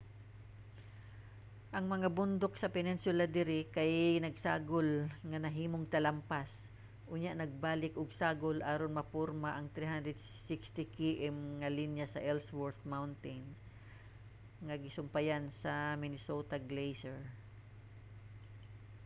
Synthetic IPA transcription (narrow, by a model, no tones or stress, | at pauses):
ʔɐŋmɐŋabʊnd̪oksɐpɛnɪnsʊlad̪ɪɾɪkajnɐɡsaːɡolŋɐnɐɦiːmoŋt̪ɐlampas | ʔʊɲjaʔnɐɡ̚baːlɪkʔʊɡ̚saːɡolʔaːɾonmɐpoɾmaʔɐŋt̪ɾiɦand̪ɾɛd̪̚ | sɪkst̪ɪkiʔɛmŋɐlinjasɐʔɛlswɔɹt̪mawnt̪ɪns | ŋɐɡɪsʊmpajansɐmɪnɪsot̪aɡlejsɛɹ